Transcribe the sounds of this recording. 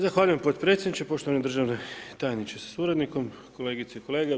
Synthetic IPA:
zaxʋaːʎuje̞mpo̞t̪pɾe̞t̪sʲed̪nit͡ʃepo̞ʃt̪oʋaned̪r̩ʒaʋnet̪ajanit͡ɕesḁsuɾed̪niko̞m | ko̞le̞ːɡit̪seikole̞ːɡe

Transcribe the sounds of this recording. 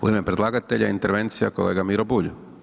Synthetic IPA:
uimepɾed̪lˠaːɡat̪eʎaint̪e̞ɾʋe̞nt̪sija̰kole̞ːɡamiɾobuʎu

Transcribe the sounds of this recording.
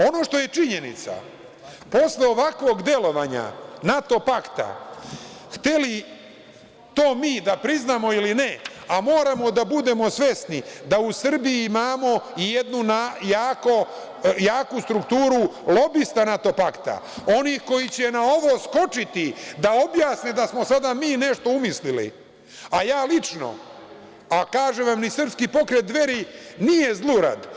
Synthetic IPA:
o̞no̞ːʃt̪o̞je̞t͡ʂiɲe̞nḭt̪sa̰ | po̞sleo̞ʋakʋo̞ːɡd̪je̞lo̞ʋaːɲa̰nat̪o̞pakt̪a̰ | xt̪eli | t̪o̞ːmiːd̪apɾiznamo̞iline | amo̞ːɾamo̞d̪abud̪e̞mo̞sʋe̞snid̪ausr̩bijiimaːmo̞ijed̪nunajaːko̞ | jaːkust̪ɾukt̪uːɾulo̞bist̪anat̪o̞pakt̪a̰ | o̞niːxko̞jit͡ɕe̞nao̞ʋo̞sko̞t͡ʃit̪id̪ao̞bjaːsned̪asmo̞sad̪amiːne̞ʃt̪o̞umislilḭ | ajaːlit͡ʃno̰ | akaːʒeʋamnisr̩pskipo̞kɾet̪̚d̪ʋe̞ɾinije̞zlˠuːɾa̰d̪

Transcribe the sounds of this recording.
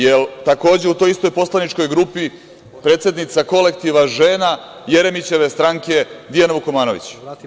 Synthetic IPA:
jelt̪ako̞ːd͡ʑe̞ut̪o̞jist̪o̞jpo̞slanit͡ʃko̞jɡɾuːpi | pɾe̞ːt̪se̞d̪nit̪sako̞le̞kt̪iʋaʒeːna | jeɾe̞mit͡ɕe̞ʋest̪ɾaŋke̞d̪ijanaʋukomaːno̞ʋḭt͡ɕ

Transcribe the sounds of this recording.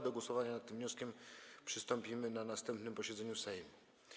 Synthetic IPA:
d̪ɔɡwɔsɔvaɲanat̪ːɘmvɲɔskʲɛmpʂɘst̪ɔmpʲimɘnanast̪ɛmpnɘmpɔɕɛd̪zɛɲusajɛmʲi

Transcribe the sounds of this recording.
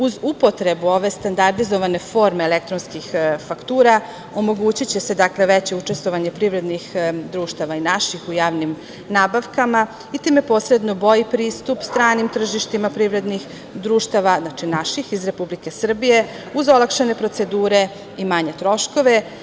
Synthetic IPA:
uzupo̞t̪ɾe̞buo̞ʋe̞st̪and̪aɾd̪izoʋane̞fo̞ːɾmeːlek̚t̪ɾonskixfakt̪uːɾa | o̞mo̞ɡuːt͡ɕit͡ɕese̞d̪akleʋet͡ɕe̞ut͡ʂe̞st̪ʋo̞ʋaɲe̞pɾiʋɾe̞d̪nixd̪ɾuːʃt̪aʋainaʃixujaːʋnim | naːbaʋkama | it̪iːme̞po̞ːsɾe̞d̪no̞bo̞jipɾiːst̪upst̪ɾaːnimt̪r̩ʒiʃt̪imapɾiʋɾe̞d̪nix | d̪ɾuːʃt̪aʋaznat͡ʃinaʃixizɾe̞publike̞sr̩bije̞ | uzo̞lakʃene̞pɾo̞t̪se̞d̪uːɾe̞ | imaɲe̞t̪ɾo̞ʃko̞ʋe̞

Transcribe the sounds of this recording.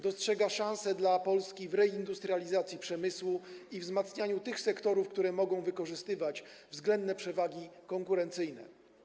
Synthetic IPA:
d̪ɔstʂɛɡaʂãw̃sɛd̪lapɔlskʲivɾɛind̪ust̪ɾalʲizat̪sʲjipʂɛmɘswuivzmat̪sɲaɲut̪ɘxsɛkt̪ɔɾufkt̪uɾɛmɔɡɔ̃w̃vɘkɔʐɘst̪ɘvat͡ɕvzɡlɛnd̪nɛpʂɛvaɡʲikɔŋkuɾɛnt̪sɘjnɛ̰

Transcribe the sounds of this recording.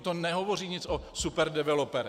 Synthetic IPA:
t̪onɛɦovo̞r̝iːɲɪt͡sosupɛɾdɛvɛlopɛɾ

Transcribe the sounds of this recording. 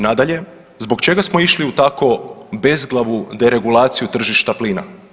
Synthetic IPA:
nad̪aʎe̞ | zbo̞kt͡ʃe̞ɡasmoiʃliut̪ako̞be̞zɡlˠaʋud̪e̞ɾe̞ɡulˠaːt̪sijut̪r̩ʒiʃt̪apliːna̰

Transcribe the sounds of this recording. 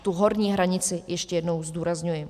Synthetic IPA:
t̪uɦoɾɲiːɦɾaɲɪt͡sɪjɛʃcɛjɛdno̞wzd̪uːɾazɲujɪ

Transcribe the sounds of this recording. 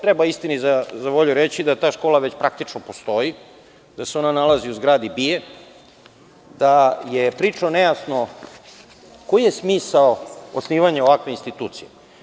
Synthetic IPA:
t̪ɾebaist̪inizazaʋoʎuɾet͡ɕid̪at̪aːʃko̞ːlˠaʋet͡ɕpɾakt̪it͡ʂnopost̪o̞ji | d̪̥aseo̞nanalaziuzɡɾaːd̪ibije | d̪ajepɾiːt͡ʂaonejasno | ko̞ijesmiːsaoosniːʋaɲaoʋakʋeinst̪it̪uːt̪sije

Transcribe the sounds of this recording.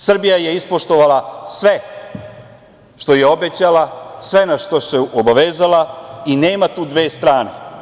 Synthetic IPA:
sr̩bijaje̞ispo̞ʃt̪o̞ʋalasʋe̞ | ʃt̪o̞jeo̞be̞t͡ɕalasʋe̞naʃt̪o̞seʔobaʋeːzalaineːmat̪uːd̪ʋe̞ːst̪ɾaːne

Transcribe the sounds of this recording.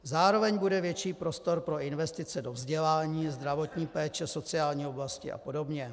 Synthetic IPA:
zaːɾo̞vɛɲbudɛvjɛt͡ʃiːpɾo̞st̪o̞ɾpɾo̞ɪnvɛst̪ɪt͡sɛdo̞vzɟɛlaːɲiːzd̪ɾavo̞t̪ɲiːpɛːt͡ʃɛso̞t͡sɪaːlɲiːoblascɪ̰ʔa̰po̞do̞bɲɛ

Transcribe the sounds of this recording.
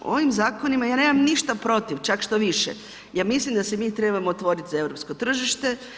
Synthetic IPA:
o̞̰ʋimzaːko̞nimajaːneːmamniʃt̪apɾo̞t̪iʋt͡ʃakʃt̪oʋiʃḛ | jaːmislimd̪asemiːt̪ɾe̞bamoːt̪ʋo̞ɾit̪izae̞ʋɾo̞pskot̪r̩ʒiʃt̪e̞

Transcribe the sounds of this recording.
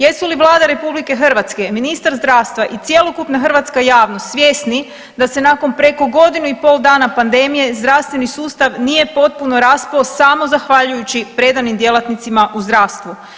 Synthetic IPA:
je̞suliʋlˠaːd̪aɾe̞publike̞xr̩ʋat̪ske̞minist̪aɾzd̪ɾaːʋst̪ʋaʔit̪sje̞lˠokupnaxər̩ʋat̪skajaːʋnosʋje̞sni | d̪ase̞nako̞npɾe̞ko̞ɡo̞d̪inuipo̞ːlˠd̪aːnapand̪e̞mije̞zd̪ɾaʋst̪ʋe̞nisuːst̪aʋnije̞po̞t̪̚puno̞ɾasposamo̞zaxʋaʎujut͡ɕipɾe̞d̪animd̪je̞lˠat̪nit̪simaʔuzd̪ɾaːʋst̪ʋu

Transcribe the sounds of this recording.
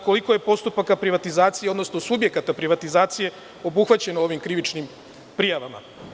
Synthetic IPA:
ko̞liko̞je̞po̞st̪upakapɾiʋat̪izaːt̪sijeod̪no̞sno̞subje̞kat̪apɾiʋat̪izaːt̪sije̞ | o̞buxʋat͡ɕe̞noo̞ʋimkɾiʋit͡ʃnim | pɾijaʋama̰

